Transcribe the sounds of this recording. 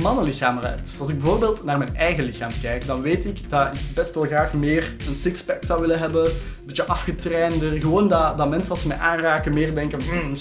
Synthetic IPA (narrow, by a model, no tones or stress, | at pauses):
mɑnəlɪxaːmrɛ̰tɑlˠzɪɡ̚bəvoːrbeːlˠtnaːrmɛnɛjɣəlɪxaːmkɛjkdɑnʋeːtɪkdɑɪkbɛstʋɛlˠɣraːxmeːrənsɪkspɛksɑwʋɪlənɦɛbə | bɪt͡ʃjəʔɑfxətrɛːndərɣəʋoːndɑdɑmɛnsənɑsəmɛjʔaːnraːkənmɪːrdɛŋkən̩